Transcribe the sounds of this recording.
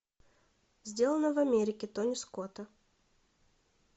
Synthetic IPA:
zʲdʲe̞lˠənəvɐmʲeɾʲɪkʲɪt̪onʲɪskot̪ə

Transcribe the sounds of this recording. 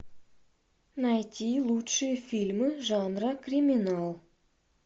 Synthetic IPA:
nɑjt̪ʲilˠutʂɨjəfʲilʲmɨʐɑnrɑkrʲimʲinɑlˠ

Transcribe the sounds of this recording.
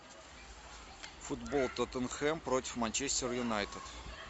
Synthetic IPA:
fʊd̪bolˠt̪ot̪ənxɛmpɾotʲɪ̥fmanʲt͡ɕesʲtʲɪrjʊnajt̪ɪt̪

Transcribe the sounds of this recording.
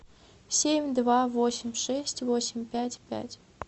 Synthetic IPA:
sʲemʲd̪vavosʲɪmʲʂɛsʲtʲvosʲɪmʲpʲætʲpʲæ̰tʲ

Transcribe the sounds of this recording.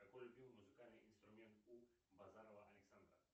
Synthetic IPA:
akolbiwmuzikalneʔĩnst̪ɾumɛ̃nt̪ubazaɾwaʔːleksãnd̪ɾa̰

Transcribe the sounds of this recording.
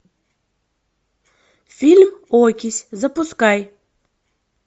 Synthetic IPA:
fʲilʲmokʲɪsʲzɐpʊskaj

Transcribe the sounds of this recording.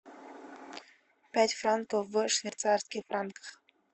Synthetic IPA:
pʲætʲfrant̪ofvəʂvʲet̪sarskʲifɾankχ

